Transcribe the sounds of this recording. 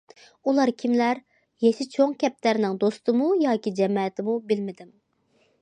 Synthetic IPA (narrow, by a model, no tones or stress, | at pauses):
ulˠɑɾkʲʰimlæɾ | jeʃɪt͡ʃʰoŋkʲɛp̚t̪æɾnɪŋd̪ost̪ɨmujɑːkʲid͡ʒɛmɑɛt̪ʰɪmubɪlmɪd̪ɪm